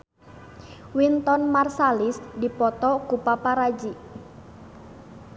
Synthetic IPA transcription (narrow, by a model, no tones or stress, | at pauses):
wint̪ɔnmarsalisdipɔt̪ɔkupapaɾad͡ʒi